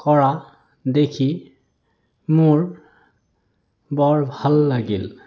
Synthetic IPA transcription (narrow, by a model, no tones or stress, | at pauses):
kɔɹa | d̪ekʰi | moɹ | bɔɹbʱalːaɡil